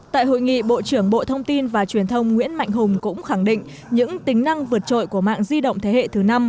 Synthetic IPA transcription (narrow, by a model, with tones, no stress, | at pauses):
t̪a̰ː˧˨jɦo̰˧˨jŋḭ˧˨ɓo̰˧˨t͡ɕɨ˧˩əŋɓo̰˧˨t̪ʰə˧wŋ͡mt̪i˧nvaː˨˩t͡ɕwi˨˩ənt̪ʰə˧wŋ͡mŋḭ˧˥ənma̰˧˨jŋ̟ɦʊ˨˩ŋ͡mkʊ̰˧˥ŋ͡mxa˧˩ŋɗḭ̈˧˨ŋ̟ | ɲɨ̰˧˥ŋt̪ï˨˦ŋ̟na˧ŋvɨ˨˩ət̚t͡ɕo̰˧˨jku˧˩əma̰ː˧˨ŋzi˧ɗə̰˧˨wŋ͡mt̪ʰe˨˦hḛ˧˨t̪ʰɨ˨˩na˧m